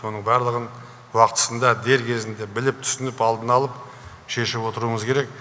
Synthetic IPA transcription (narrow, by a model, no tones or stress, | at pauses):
o̞nəɴbæɾlˠəʁən | wɑqt̪ə̥sənd̪ɑd̪e̞ɾkʲʰe̞zɪnd̪e̞bɪlɪp̚t̪ʰʏ̥sɪnɪpɑlˠd̪ənɑlˠəp | ʃe̞ʃɪpwo̞t̪əɾuəɴəzkʲʰe̞ɾe̞k̚